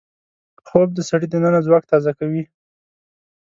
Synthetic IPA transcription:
xob̚d̪əsaɽid̪ənənazwɑk̚t̪ɑzakawi

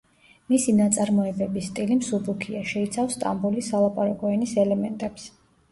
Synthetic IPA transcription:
misinat̪sʼaɾmɔɛbɛbist̪ʼilimsubukʰiaʃɛit̪sʰafst̪ʼa̰mbulisalˠapʼaɾakʼɔɛnisɛlɛmɛnt̪ʼɛps

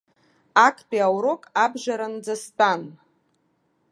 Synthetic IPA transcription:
akʰpʼiawɾokʼabʒʷaɾand͡zastʼan

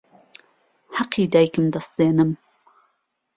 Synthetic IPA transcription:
hɑqʰːiːd̪aːjkɨmd̪ɐsd̪eːnɨm

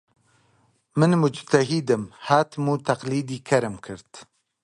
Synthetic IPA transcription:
mɨnmʊd͡ʒt̪ɐɦid̪ɨmhaːt̪ʰmuːt̪ʰɐqliːd̪iːkʰɐɾɨmkʰɨɾt̪

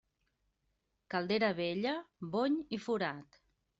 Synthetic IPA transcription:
kalˠd̪eɾəβeʎəβoɲifuɾat̪

